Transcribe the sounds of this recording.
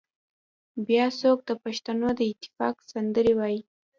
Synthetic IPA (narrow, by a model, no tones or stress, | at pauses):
bjɑsok̚d̪əpaʃt̪anod̪əɪt̪ːɪ̥fɑ̰ksand̪əɾewɑji